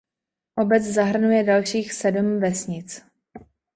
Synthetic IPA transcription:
ʔo̞bɛt͡szaɦr̩nujɛdalʃiːxsɛdm̩vɛsɲɪt͡s

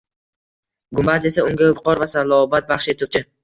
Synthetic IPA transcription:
ɡʊmbaze̞saʊŋɡʲavʊqɒɾvasalˠɒbat̪̚baχʃet̪ʰʊt͡ʃʰɪ

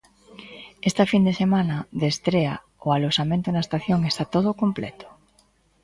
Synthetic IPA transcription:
est̪afind̪esemãnaðest̪ɾea̰ | oalosamẽnt̪onaest̪aθjoŋest̪at̪oð̞okomplḛt̪o̥

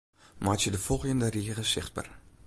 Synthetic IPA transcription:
maːtjədəfɔlˠχjəndəriəχəsɪχt̚bə̰r

